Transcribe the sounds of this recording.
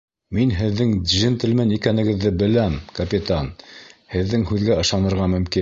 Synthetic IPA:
minɦɘ̆ðːɘŋd̪ʲʒint̪ɘ̆lmɘnikænɘ̆ɡɘ̆ðːɘbɘ̆læmkɐpʲit̪anhɘ̆ðːɘŋhʉðɡæɤ̆ʃɑnɤ̆ɾʁɑmɵ̆mkin

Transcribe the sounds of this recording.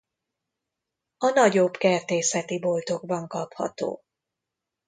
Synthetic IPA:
ɒnɒɟo̞bkɛrt̪eːsɛt̪ibo̞lt̪o̞ɡbɒŋkɒphɒ̰t̪o̰ː

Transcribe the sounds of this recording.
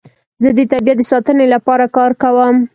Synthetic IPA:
zəd̪ət̪abijat̪̚d̪əsɑt̪ənelapɑɾakɑɾkawəm

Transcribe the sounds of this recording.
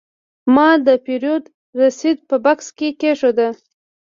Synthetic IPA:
mɑd̪əpeɾijod̪ | ɾasid̪̚pəbakskekeʂod̪a

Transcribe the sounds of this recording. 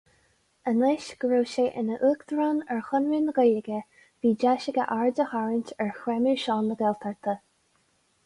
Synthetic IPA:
ənɪʃɡ̥ɹoːʃeːʔɪ̰nəʔuːkd̪ɹaːnɛɹxʊnɹinəɡəjləɡə | viːd͡ʒaʃɪɡəʔaɹdəhaɹɪnʲtɛɹxwɛmiɹʃɔːnːəɡɛlt̪ʰaɹt̪ʰə

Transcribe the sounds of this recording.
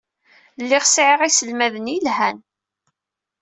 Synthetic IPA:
lːiʁsʕɪʁisəlmæðənilhæn

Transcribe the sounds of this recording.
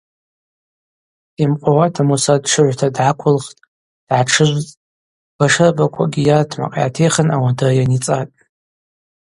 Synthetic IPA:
imqʷʼawatʰamusadʂɨʕʷtʰadʕakʷʰʊlχtʼ | d̥ʕaʈ͡ʂʰɨʒʷt͡sʼ | b̥aʂɨrbakʷʰa̰ɡʲijatʰma̰qʼa̰atʰejχənawadajanit͡sʼatʼ

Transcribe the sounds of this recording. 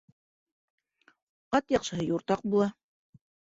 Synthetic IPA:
ɑt̪jɑqʃɤ̆ɦɤjuɾt̪ɑq̚bulˠɑ

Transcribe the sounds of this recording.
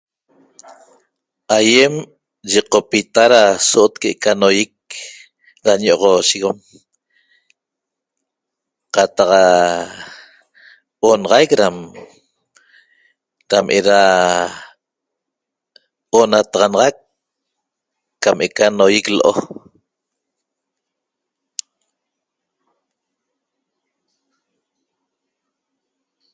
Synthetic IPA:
ʔajem | ʒiqopit̪aɾasoʔot̪̚keʔekanojik̚ | ɾaɲoʔoʁoʃiɣom | qɑt̪aqa | onɑʁɑjkɾam | ɾamʔeɾa | onat̪ɑʁɑnɑʁɑk | amʔekanojikloʔo̰

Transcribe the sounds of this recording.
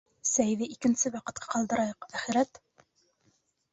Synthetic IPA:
sæjðɘʔikɘ̆nsɘwɑqɤ̆t̪̚qʰɑ̥qɑlˠd̪ɤ̆ɾɑjɤqæχɘ̆ɾæt̪

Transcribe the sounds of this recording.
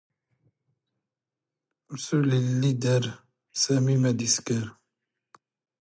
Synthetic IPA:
msulilid̪ɛɾ | sɐmimɛd̪iskɛɾ

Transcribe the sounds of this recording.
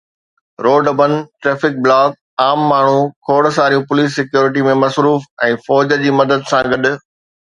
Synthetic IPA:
ɾoːɖbənʈɾeːfɪk̚blaːk̚ | aːmːaːɳ̤ukʰoːɽsaːɾijũpʊliːs̬ːɪkjoːɾɪʈ̬imẽmɐsɾuːfɛ̃ːfɔːd͡ʑd͡ʑiːmɐd̪əd̪sãɡɐɗ̆

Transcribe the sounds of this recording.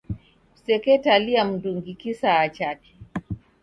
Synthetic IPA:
sɛkɛtaliam̩duŋɡikisaːt͡ʃati̥

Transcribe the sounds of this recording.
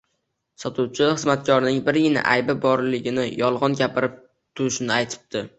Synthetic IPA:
sɒt̪ʰuwt͡ʃʰɪχɨzmat̪kʲʰɒɾnɪŋbɪɾjɪnɪ̰ʔa̰jbɪbɒɾlɪɡʲɪnɪjɒlˠʁɒnɡʲapʰɪɾɪp̚ | t̪ʰʊɾɪʃɪnɪajt̪ʰɪ̥b̚d̪̥ɪ

